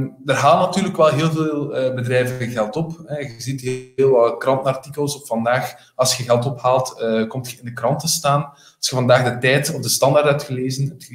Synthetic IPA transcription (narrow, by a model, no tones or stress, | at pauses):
ndərɦaːlˠənɑtyːrləkʋɛlˠɦeːlˠveːlˠəːbədɾɛjvənɣɛlˠtɔpɛɣəzitɦːlˠʋɑtkrɑntənɑrtikəlˠsɔffɑndaːx | ɑlˠsxəɣɛlˠtɔphaːlˠtəkɔmtxəɪndəkrɑntəstaːn | ɑlˠsxəvɑndaːɣdətɛjtɔbdəstɑndaːrtɦɛp̚txəleːzənɦɛp̚txə